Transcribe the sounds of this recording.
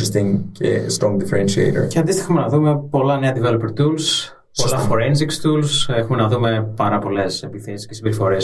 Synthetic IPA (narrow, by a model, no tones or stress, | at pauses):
est̪iŋcḛst̪ɾɔ̃ŋɡd̪ifeɾenʃiḛɪɾə̰ceɐnd̪ist̪ixɐmenɐðume̞po̞lɐneɐd̪ivelopeɾt̪uls | osɐfoɾens̬ikst̪ulse̞xume̞nɐðume̞pɐɾɐpo̞le̞se̞piθesi̥scesibeɾifo̞ɾes